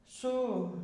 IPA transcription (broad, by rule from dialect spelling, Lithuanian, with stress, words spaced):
ˈsʊ